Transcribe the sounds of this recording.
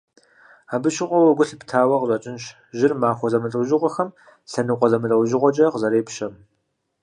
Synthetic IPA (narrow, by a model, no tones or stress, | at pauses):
aːbɨʃɪqʷɔwɐɡʷʊɬptʰaːwɐqəzʷʼɐt͡ʃʼɪnɕ | ʒɪrmaːxʷɔzɐmɨɬʼɐwʒɪʁʷɔxɐm | ɬɐnɨqʷɔzɐmɨɬʼɐwʒɪʁʷɔt͡ʃʼɐqzɐɾeːpɕɐm